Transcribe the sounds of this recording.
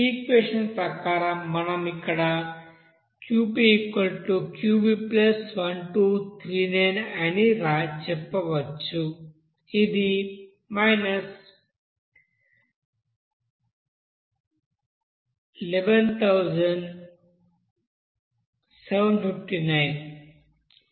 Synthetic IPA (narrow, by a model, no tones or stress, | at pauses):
ikʋeʃənpɾakaːɾamɐnamikɽa | kjupiːkʋəlʈukjubiplɐsʋɐnʈut̪ʰɾiːnajneniɾat͡ʃʰəpːɐʋətt͡ʃʰu | id̪i | maɪnəs | ileʋənt̪ʰawd͡ʒənɖ | seʋənfifʈinaɪn